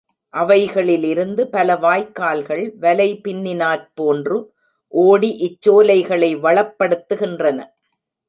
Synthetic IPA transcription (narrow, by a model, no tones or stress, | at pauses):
ʔɐʋɐɪɣɐɭɪlɪɾɯnd̪ɯpɐlɐʋaːjkːaːlɣɐɭʋɐlɐɪpɪnːɪnaːɾpoːndrɯ | ʔoːɽiʔɪt͡ʃːoːlɐɪɣɐɭɐɪʋɐɭɐpːɐɽɯt̪ːɯɣɪndrɐnɐ̰